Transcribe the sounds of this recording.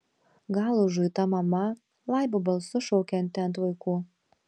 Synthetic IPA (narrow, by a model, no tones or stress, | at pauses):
ɡɑːlˠuʒujt̪ɐmɐmɐ | lˠɑjbubɐlˠsʊʃɔʊkʲɛnt̪ʲːɛnt̪ʋɐɪkuː